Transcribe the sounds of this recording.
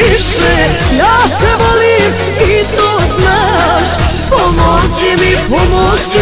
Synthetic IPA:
iʃɛ | jaːt̪ɛʋolim | it̪oznaʃpomoɾsimipomosi

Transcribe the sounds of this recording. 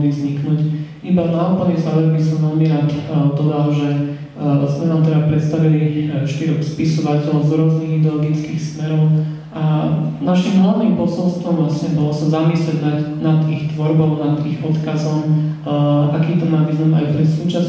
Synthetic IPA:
lizɲiknuɟʔibanaupl̩ɲɛzaʋɛmbisɔmʋɛlmiɾaːt̪d̪ɔd̪alʒɛ | zmɛnaːmt̪ɛd̪apɾɛt̪s̬t̪aʋiliʃt̪iɾɔxspisɔʋacɛlɔʊzɾʊɔzniɣid̪ɛɔlɔɡit͡skiːxsmɛɾɔʊ | ʔanaʃimɦlaʋniːmpɔsɔlst̪ʋɔmʋlasɲɛbɔlɔsazamislɛɟnanad̪ixt̪ʋɔɾbɔʊnad̪iɣɔt̪kazɔm | ʔakiːt̪ɔmaːʋiːznama̰jpɾɛt̪suːt͡ʃas

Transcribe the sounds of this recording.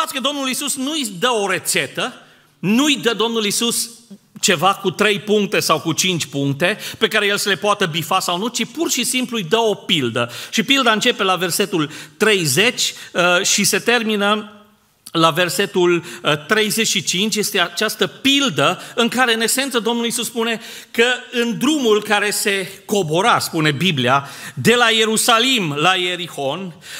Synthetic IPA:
at̪sʲkəd̪o̞mnulisusnujd̪əo̞ɾe̞t̪se̞t̪ə | nujd̪əd̪o̞mnulisus | t͡ʃe̞vakut̪ɾe̞jpuŋk̚t̪e̞sawkut͡ʃint͡ʃʲpuŋkt̪e̞pe̞kaɾeje̞lsəle̞poat̪əbifasawnut͡ʃipurʃisimplujd̪əopild̪əʃipild̪aɨnt͡ʃe̞pe̞lave̞rse̞t̪ult̪ɾe̞jze̞t͡ʃʲʃise̞t̪e̞rminə | lave̞rse̞t̪ult̪ɾe̞jze̞t͡ʃʃit͡ʃint͡ʃʲje̞st̪e̞at͡ʃast̪əpild̪əɨŋkaɾe̞ɨne̞kse̞nt̪səd̪o̞mnulisuspune̞ | kəɨnd̪ɾumulkaɾe̞se̞ko̞boɾaspune̞bibliad̪e̞laje̞ɾusalimlaje̞ɾiho̞n

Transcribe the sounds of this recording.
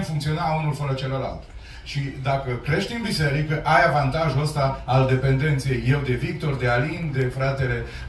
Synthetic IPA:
mfuŋkt̪sio̞naunulfəɾət͡ʃe̞loɾa̰lt̪ | ʃid̪akəkɾe̞ʃt̪inbise̞ɾikəʔajavant̪aʒuəst̪aald̪e̞pe̞nd̪e̞nt̪sijejːe̞wd̪e̞vik̚t̪o̞rd̪e̞alind̪e̞fɾat̪e̞le̞

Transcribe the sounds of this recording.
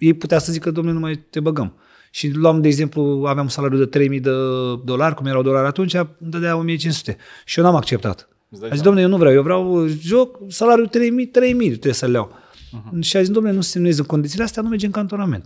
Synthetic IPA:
jejput̪easəzikəd̪oomnenumajt̪e̞bəɡəm | ʃiluamd̪eːɡze̞mpluaveamunsalaɾjud̪ət̪ɾe̞jmijd̪əd̪o̞larʲkumjeɾawd̪o̞laɾʲat̪unt͡ʃʲaɨnd̪atd̪elao̞mijet͡ʃinsu̥t̪e | ʃijonamak̚t͡ʃe̞p̚t̪a̰t̪ | azizsd̪omnejewnuvɾeawjevɾeawʒo̞k̚salaɾʲjut̪ɾejmit̪ɾe̞jmit̪ɾeesəlea̰w | ʃiazisd̪omnenusesemnezɨŋko̞nisileast̪eanumed͡ʒeɨŋkant̪o̞name̞̰nt̪

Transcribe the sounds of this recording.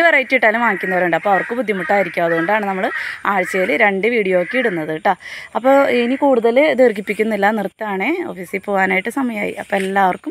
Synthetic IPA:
ɨʋerɐjitːiiʈːaːlumʋaːŋikʲːunːɐʋɐɾuɳɖɐpːoːɐʋɐrkɨbud̪ʱjimuʈːaːjiɾikʲːaːɐðɨɣo̞ɳɖaːɳɨnɐmːɐɭaːɻt͡ɕːejilɨɾe̞ɳɖɨʋiːɽijoːkːeiɽunːɐðɨʈːaɐpːo̞ːinikuːɽuðɐld̪eːrɡipːikʲːunːilːɐnirt̪ːaːɳeo̞̰ːfiːsilpo̞ːɣaːnaːjiʈːɨsɐmɐjma̰ːjḭʔɐpːoːelːaːɐʋɐrkum

